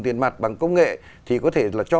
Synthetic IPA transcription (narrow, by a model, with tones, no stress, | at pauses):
t̪i˨˩ənma˨˩jt̚ɓa˨˩ŋkə˧wŋ͡mŋḛ˧˨ | t̪ʰi˨˩kɔ˨˦t̪ʰe˧˩laː˨˩t͡ɕɔ˧